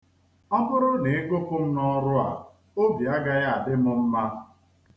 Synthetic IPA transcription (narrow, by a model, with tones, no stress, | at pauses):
ɔ˦bʊ˦ɾʊ˦ne˨e˦ko˦kʊ˦m̩˦nɔ˦ɾʊ˦a̰˨ | o˦bi˨a˦ɡa˦ɣa˦a˨dɪ˦mʊ˦m̩˦ma˦